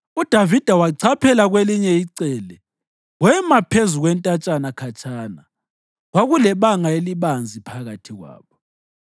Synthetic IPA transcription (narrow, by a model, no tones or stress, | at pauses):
ud̥ʱavid̥ʱawaǀʰapʰɛlaɣweliɲɛiǀɛlɛ | wɛmapʰezuɣwɛntʼat͡ʃʼanakʰat͡ʃʰʼaːna̰ | waɣulɛβaŋaeliβand͡zʱipʰaɣatʰiɣwa̰ːβɔ